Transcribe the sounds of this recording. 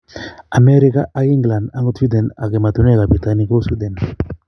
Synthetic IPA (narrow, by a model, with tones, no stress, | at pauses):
a˨me˦ɾi˦ka˦ʔa˦ki˦ŋɡla˨nda˦ŋɡo˦tu˦d̪ɛ˨na̰˨ke˨ma˨t̪u˦ne˦ka˨bɾi˨t̪ani˦ko˦su˦d̪ɛ˨n